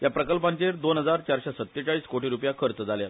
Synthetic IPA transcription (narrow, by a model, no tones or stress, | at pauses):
japɾəkəlpaɲt͡ɕeɾd̪onɦəd͡zaɾt͡ɕaɾɕɛsət̪ːet͡ɕaɭiːskoʈiɾupjakʰəɾt͡səd͡zaljal